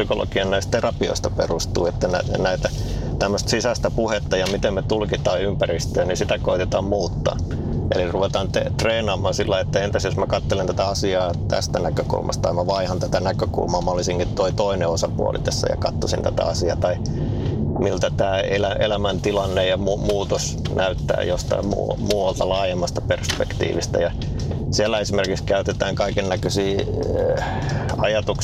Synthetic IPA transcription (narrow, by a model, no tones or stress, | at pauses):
sykolʔo̰kiɑnnæist̪t̪erɑpio̰ist̪ɑperust̪uːet̪ːænæ̰næit̪æt̪æmːøst̪sisæst̪æpuhet̪ːɑjɑmit̪emmet̪ulkit̪ɑːympærist̪øːnisit̪ækoit̪et̪ɑːmmuːt̪ːɑ̰ː | ḛliruʋet̪ɑːnt̪et̪reːnɑːmːˑɑnsilːɑiet̪ːæent̪esjosmækɑt̪ːelent̪æt̪æɑsiɑːt̪æ̰st̪ænækøkṵlmʔɑ̰st̪ɑimæʋɑihɑnt̪æt̪ænækøkṵlmɑːmɑlːisiŋkit̪t̪oit̪oineosɑpṵɑ̰lḭt̪æsːæ̰jɑ̰kɑt̪ːosḭnt̪æ̰t̪æ̰ɑsiɑt̪ɑi | milt̪æt̪æːelæḛlæmænt̪ilɑnːejɑmuːmuːt̪os | nʔæyt̪ːæ̰ːjost̪ɑ̰imṵːmuːɑlt̪ɑlɑːjemːɑst̪ɑperspḛkt̪ḭːʋist̪æ̰jɑ | siælːˑæesimerkikskæyt̪et̪æːŋkɑikennækøsiː | ɑjɑt̪uk